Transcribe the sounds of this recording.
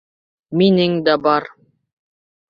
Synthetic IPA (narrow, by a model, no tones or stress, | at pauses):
minɘŋd̪ɑbɑɾ